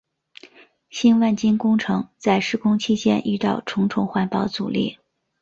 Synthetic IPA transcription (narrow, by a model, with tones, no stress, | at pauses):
ɕi˥nwa˥˩nt͡ɕi˥nkʊ˥ŋʈ͡ʂʰɤ˧˥ŋt͡sa˥˧ɪʂɻ̩˥˩kʰʊ˥ŋt͡ɕʰi˥t͡ɕjɛ˥nʔy̰˥˧ʈ͡ʂɑ˥˩ʊʈ͡ʂʰʊ˧˥ŋʈ͡ʂʰʊ˧˥ŋxwa˥˩npɑ˧˥ʊt͡sṵ˨˩lḭ˥˩